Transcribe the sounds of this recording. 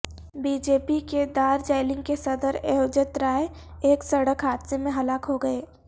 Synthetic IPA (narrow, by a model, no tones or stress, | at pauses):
biːd͡ʒeːpiked̪aːɾd͡ʒaːɪlɪ̃ŋɡ̚kesɐd̪əɾeɦoːd͡ʒət̪ɾaːe | eːksɐɽəkɦaːd̪semẽɦɐlaːkɦoɡɐeː